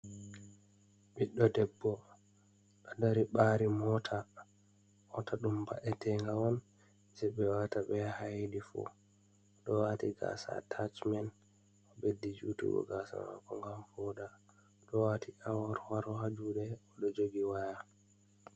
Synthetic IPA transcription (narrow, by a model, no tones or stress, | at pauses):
ɓiɗːɔdɛbːɔ | ɗɔdaɾiɓaːɾimɔtʰa | ɔtʰaɗumba̰ʔɛtʰɛŋɡawɔn | d͡ʒɛɓɛwataɓɛhajdifṵ | ɗɔwatiɡa̰sa̰tʰat͡ʃmɛn | ɔbedid͡ʒṵːtṵɡɔ̰ɡasa̰ma̰kɔŋɡamfɔda | ɗɔwatʰiʔawɔɾwaɾɔhad͡ʒudɛɔɗɔd͡ʒoɡiwaja